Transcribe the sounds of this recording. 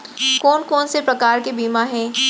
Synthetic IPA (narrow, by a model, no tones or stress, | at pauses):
kɔːnkɔːnsepɾɐkaːɾkebiːmaɦɛː